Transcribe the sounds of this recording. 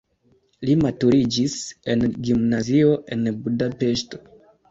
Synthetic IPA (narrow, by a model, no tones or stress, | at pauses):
limatuɾid͡ʒise̞nɡimnazio̞ʔe̞nbudape̞ʃto̞̥